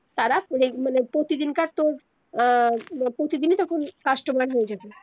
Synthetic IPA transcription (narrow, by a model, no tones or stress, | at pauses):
t̪aɾaɾemanepɾot̪id̪inkaɾt̪oɾ | pɾot̪id̪inet̪ɔkʰonkaʃʈobaɽɦojed͡ʑabe